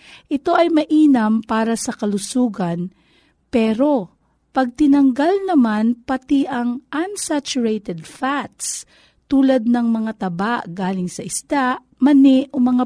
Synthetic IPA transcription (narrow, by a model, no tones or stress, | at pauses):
ʔɪt̪o̞ʔɐjmɐʔiːnɐmpaːɾɐsɐkɐlʊsuːɡɐn | pɛːɾo̞ | pɐɡ̚t̪ɪnɐŋɡalnɐmanpɐt̪iʔɐŋʔɐnsat͡ʃʊɹejt̪ɛd̪̚fat̪s | t̪uːlɐd̪̚nɐŋmɐŋat̪ɐbaʔɡaːlɪŋsɐʔɪst̪aʔ | mɐnɪʔʔomɐŋa